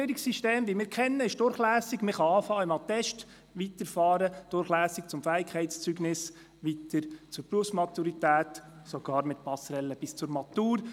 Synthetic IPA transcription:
əɾiksiʃteːmʋimɪːɾkʰɛnːəɪʃd̥ʊɾχlæːsɪɡməχɑɑːfɑːɪmɑt̪ɛʃt | ʋit̪əɾfɑːɾəd̥ʊɾχlæːsɪk̚t͡sʊmfæːɪkʰɛɪtst͡syɡnɪs | ʋitəɾt͡sʊɾpɾuəfsmɑtuɾit̪æːt | soɡ̥ɑːɾmɪt̪pɑsɾɛlːəb̥ɪst͡sʊɾmɑt̪uːɾ

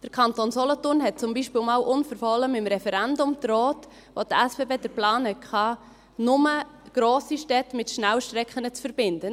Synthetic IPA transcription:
d̥əɾkʰɑnt̪onsɔlɔtʊrnɦɛt̚t͡sʊmbiːʃpɪːlmɑːlʔʊnfəɾfɔləmɪmɾɛfɛɾɛndʊmt̪ɾɔːt | ʋotɛsbeːbeːd̥əɾplɑːnɛkʰχɑː | nʊmə | ɡ̥ɾoːsiʃtɛtmɪtʃnæwʃtɾɛkχənət͡sfəɾbɪnd̥ən

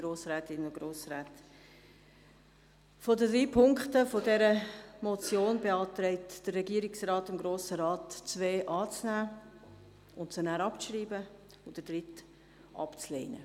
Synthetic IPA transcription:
ɡɾoːsɾɛːtɪnʊɡɾoːsɾɛːt | fodədɾiːpʰʊŋkχtəfodɛɾəmɔt͡sjoːnbeɑːt̪ɾɛɪtd̥ərːɛɡiəɾɪksrɑːtɪmɡɾoːsəɾɑːtt͡sveːʔɑːt͡snæː | ʊntt͡sʊnæːɾɑpɾiːbə | ʊd̥əd̥ɾɪt | ʔɑ̰pt͡sleɪnə̰

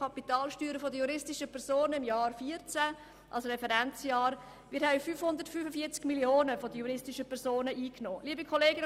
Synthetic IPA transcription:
ɑpitɑːlʃtyːɾəfodəjuɾɪstɪʃəpʰɛɾsoːnəɪmjɑːɾfiːəɾt͡sæ | ʔɑ̰lsɾɛfɛɾɛnt͡sjɑːɾ | mɪɾhɛbfyːfhʊnd̪əɾtfyːfəfiəɾt͡skmilioːnəfodəjuɾɪstiʃəpʰɛɾsoːnəʔiːknoːliəbikʰɔleːɡən

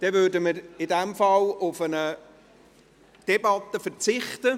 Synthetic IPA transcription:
d̥ɛvødəməɾɪdɛmfɑlʊfənə | d̪̥ɛbɑt̪ːəfəɾt͡sɪχt̪ə

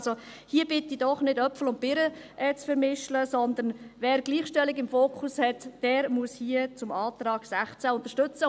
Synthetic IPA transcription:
zo | hiəb̥ɪtidɔχnɪdœpfl̩ʊnt̚b̥ɪɾəʔɛt͡sfəɾmɪʃləsɔnd̪ənvɛːɾɡliːχʃtɛlɪɡɪmfoːkχushɛtd̥ɛːɾmuəshiət͡sʊmɑːtɾɑːɡ̥sæχt͡sæʊnt̪əʃtʏt͡sə

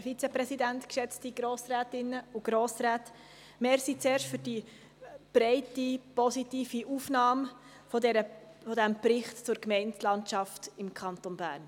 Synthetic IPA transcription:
əɾfit͡sɛpɾɛsidæntkʃɛt͡stiɡ̥ɾoːsræːtɪnːəuɡ̥ɾoːsræːt | meːɾsit͡seːɾʃtfyɾdi | b̥ɾɛɪtipɔsitiːfiʔuːfnɑːm | fɔdɛɾəfɔdæmprɪχtt͡sʊɾkmɛɪntlɑntʃɑftɪmkʰɑnt̪onbæ̰ːɾn

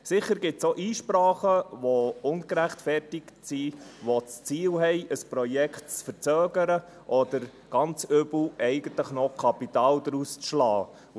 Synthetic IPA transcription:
sɪχəɾɡɪtsoʔiːʃpɾɑːχəʋɔʊnɡəɾæχtfɛrtɪktsiʋɔt͡st͡siːlɦɛɪəspɾɔjɛkʰtt͡sfəɾt͡sœːɡəɾə | ʔɔd̥əɾ | ɡ̥ɑnt͡sʏbl̩ɛɪɡ̥ənt̪ləχnɔkʰɑpitɑːld̥̪ɾust͡sʃlɑː

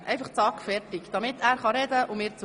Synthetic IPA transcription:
ʔɛjfɑχt͡sɑːkfɛrtɪkd̥ɑmɪt̪æːɾχɑɾɛdəʔʊmɪːɾt͡s

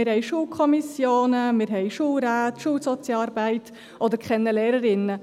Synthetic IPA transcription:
ɪɾhɛɪʃuːlkʰɔmisjoːnəmɪɾɦɛɪʃuːlɾæːtʃuːlsɔt͡sjɑɾbæɪt | ʔod̪əɾkχɛnːəlɛːɾəɾɪnə

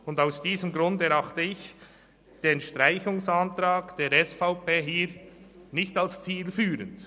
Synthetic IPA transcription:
ʊndaʊsd̥iːzəmɡɾʊndɛɾɑχtəɪç | d̥eːnʃtʁaɪçʊŋsantɾaːkd̥eːɾɛsfaʊpeːɦiːɾ | nɪçtɑlst͡siːlfyːɾənd

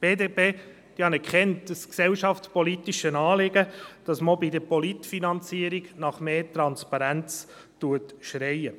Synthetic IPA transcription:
b̥eːdeːpeː | d̥ihɑnɛkχɛntd̥əsksɛlʃɑftspɔlitiʃənɑːlɪɡəd̥ɑsmobidəpɔlitfinɑnt͡siːəɾiɡnɑχmeːtɾɑnspɑɾænt͡s | tuətʃɾɛɪə

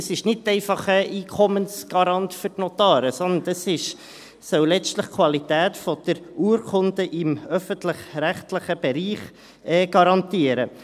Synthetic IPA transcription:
əsɪʃnɪd̚tɛɪfɑχəʔiːkʰɔmənsɡ̥ɑɾɑnt̪fʏrtnɔt̪ɑːɾəsɔnd̪ənəsɪʃ | sœwlɛt͡ʃtləχkʰwɑlit̪æːtfɔd̥̪əɾuːɾkʰʊnd̪əʔɪmœfəntləχɾæχt̪ləχəb̥ɛɾiːχ | ɛːɡ̥ɑɾɑnt̪iəɾə

